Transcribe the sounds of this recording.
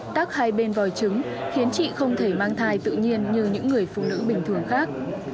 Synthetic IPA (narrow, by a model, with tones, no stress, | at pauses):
t̪aː˦˥k̚haː˧jɓe˧nvɔ˨˩jt͡ɕɨ˨˦ŋ | xi˨˦ənt͡ɕḭ˧˨xə˧wŋ͡mt̪ʰe˧˩maː˧ŋt̪ʰaː˧jt̪ɨ̰˧˨ɲi˧ənɲɨ˧ɲɨ̰˧˥ŋːɨ˨˩əjfṵ˧˨nɨ̰˧˥ɓï˨˩ŋ̟t̪ʰɨ˧˩əŋxaː˦˥k̚